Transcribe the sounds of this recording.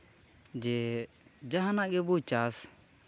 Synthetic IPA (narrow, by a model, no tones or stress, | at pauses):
d͡ʒɛ | d͡ʒaɦanaʔɡɛbut͡ʃas